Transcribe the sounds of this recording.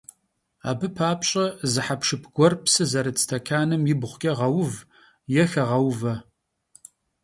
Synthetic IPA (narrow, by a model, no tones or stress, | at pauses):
a̰ːbɨpʰaːpɕʼɐzɨħapʂɨpʰɡ̥ʷɔrpsɨzɐɾɨt͡sʰtʰɐkʰaːnɨmjɪbʁʷkʲʼɐʁɐwv | jɛxɐʁɐwvɐ